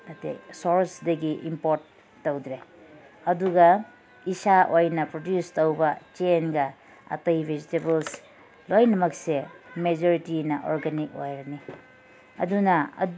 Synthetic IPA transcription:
nɐtḛsoɾsdɐɡiʔimpoɾtː | owd̪ɾe | ɐduɡɐ | isaʔojnɐpɾodjustowbɐt͡ʃenɡɐ | ɐ̰tɐjbʱed͡ʒitebels | lojnɐmɐksemed͡ʒoɾitinɐʔoɾɡɐnik̚o̰jɾɐni | ɐ̰dunɐɐ̰

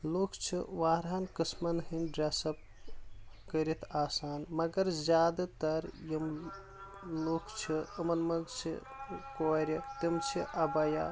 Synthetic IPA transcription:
lukʰt͡ʃʰḭʋaːɾaːnkɨsmɐnɦinɖɾasɐb̚ | kəɾit̪ʰaːsaːnmɐɡɐɾzʲaːd̪t̪ɐɾjim | lukʰt͡ʃʰiɐmɐnmɐɡt͡ʃʰḭ | koːɾʲit̪imt͡ʃʰiʔɐbɐja̰

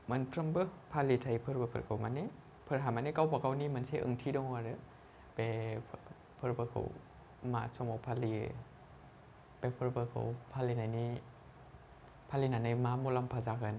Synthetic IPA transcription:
manpʰɾambəpʰalit̪ʰajpʰəɾbəpʰə̰kʰawmani | pʰəɾɦamanikawpakawniːmansʰiʔə̰ŋt̪ʰidɔŋaɾɯ | pɛpʰ | pʰəɾbəkʰa̰w | masʰɔmawpʰali | pɛpʰəɾbəka̰wpʰalinani | pʰalinanajmaːmolampʰazakan

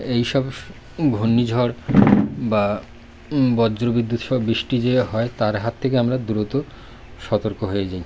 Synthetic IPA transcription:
ejʃɔb | ɡʱonːid͡ʑʱɔɾ | ba | bɔd͡ʑɾobid̪ːut̪ʃɔbɾiʃʈid͡ʑeɦɔet̪aɾɦat̪ʰːekeamɾad̪uɾot̪o | ʃɔt̪oɾkoɦoed͡ʑaj

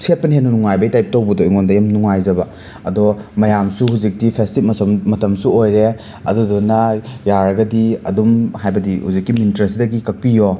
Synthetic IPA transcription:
set̚pɐniɦenːunuŋajbɐitajp̚towbɐdojŋondɐjɐmnuŋajzɐbɐ | ɐdɔmɐjamsuhuzik̚dipʰestip̚mɐsmmɐtɐmsuojɾe | ɐdudɔnɐjaɾɐɡɐdiɐ̰dumhajbɐdihuzikːiminitɾɐsidɐɡikɐk̚pijo

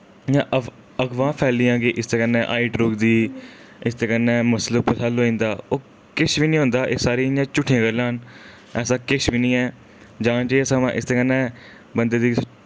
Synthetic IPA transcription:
jãː | əɡʋãːpʰɛːlijãːk̬ɪʔɪst̪eːkənːɛːʔa̰ːiːʈɾuːkd̪iː | ɪst̪eːkənːɛ̃ːməsləpəsəloːĩːnd̪aːoː | kɪʃʋiːnĩːɦõːnd̪aːʔeːsaːɾiːɪjãːt͡ʃʊʈʰːẽːɡəlaːn | ɛːsaːkɪʃbiːnĩːɛː | d͡ʒãːt͡ʃeːeːsəmã̰ːʔɪ̰st̪eːkənːɛ̃ː | bənd̪eːd̪iː

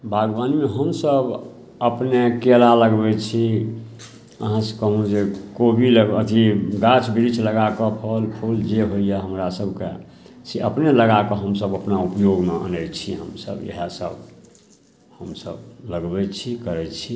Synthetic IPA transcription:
bʱaɡbanmeɦəmsəb | əpnekelaləɡbɛt͡ʃʰi | ə̰ɦãskəɦũd͡ʒekobʱiləət̪ʰiɡat͡ʃʰbiɾit͡ʃʰləɡakɔpʰəlpʰuld͡ʒeɦoijaɦəmɾasəbʱkḛ | seəpneləɡakɔɦəmsəbəpnaupjoɡmeʔə̰nɛt͡ʃʰiɦə̰msə̰bjḛɦəsə̰b | həmsə̰bləɡbɛt͡ʃʰikəɾɛt͡ʃʰi

